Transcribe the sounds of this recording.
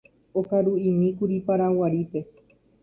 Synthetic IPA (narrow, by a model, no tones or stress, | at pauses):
okaɾuĩmĩkuɾipaɾawaɾipe̞